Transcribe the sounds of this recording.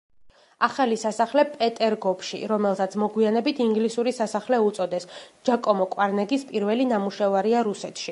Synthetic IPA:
aχalisasaχlɛpʼɛt̪ʼɛɾɡɔpʰʃḭɾɔmɛlˠsat̪sʰmɔɡwianɛbit̪ʰiŋɡlisuɾisasaχlɛut̪sʼɔd̪ɛsd͡ʒ̥akʼɔmɔkʼwaɾnɛɡispʼiɾvɛlinamuʃɛvaɾiaɾusɛt̪ʰʃi

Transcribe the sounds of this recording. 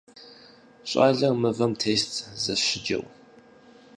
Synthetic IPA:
ɕʼa̰ːɮɐmɨvɐmtʰeːstʰʼzɐɕɪd͡ʒɐ̰w

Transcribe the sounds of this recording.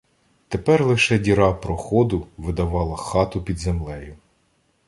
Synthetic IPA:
t̪epɛrlˠɪʃɛdʲiɾɑpɾɔxɔd̪ʊʋɪd̪ɐʋɑlˠɐxɑt̪ʊpʲid̪zemlˠɛjʊ

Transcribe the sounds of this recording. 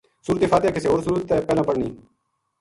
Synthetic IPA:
suːɾt̪eːfaːt̪eːkeseːoːɾsuɾət̪ːeːpeːlãːpəɽɳḭː

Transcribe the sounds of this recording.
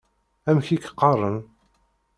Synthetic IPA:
æmçikqːɑrˤːən

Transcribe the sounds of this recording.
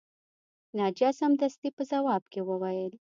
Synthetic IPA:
nɑd͡ʒɑsamd̪ast̪ipəzawɑbkewəwajəl

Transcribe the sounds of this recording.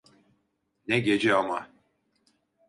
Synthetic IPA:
nɛɟe̞d͡ʒɛama

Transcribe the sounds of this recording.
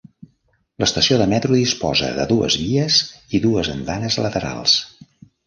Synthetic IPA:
ləst̪əsioðəmɛt̪ɾuðispɔ̰zə̰ðə̰ðuə̰zβiəziðuəzənd̪anəzlət̪əɾa̰lˠs

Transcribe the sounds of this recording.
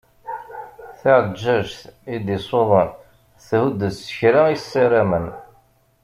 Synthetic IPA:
θaʕəd͡ʒːæʒθid̪isˤoðˤən | θhud̪əsə̥çɾajsːiɾamən

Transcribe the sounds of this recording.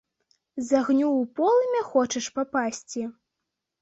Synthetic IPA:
zaɣnʲuwpɔlˠɨmʲɛxɔt͡ʃɐʂpapasʲt͡sʲi

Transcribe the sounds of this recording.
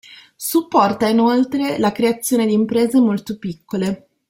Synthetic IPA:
supːɔrt̪ainolt̪ɾelakɾeat̪sːjoːned̪iːmpɾeːzemolt̪opikːole

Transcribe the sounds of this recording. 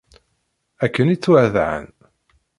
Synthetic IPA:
ækːənit͡sːwæðʕə̰n

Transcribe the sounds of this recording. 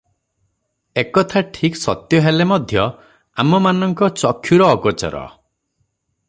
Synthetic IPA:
ekɔt̪ʰaʈʰiksɔt̪jɔɦelemɔd̪ʱjɔ | a̰mɔmanɔŋkɔt͡ʃɔkʰːjuɾɔːɡɔt͡ʃɔ̰ɾɔ̰

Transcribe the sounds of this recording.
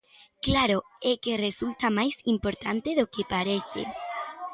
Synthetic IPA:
klaɾo | ekeresult̪amajsimpoɾt̪ant̪eðokepaɾeθḛ

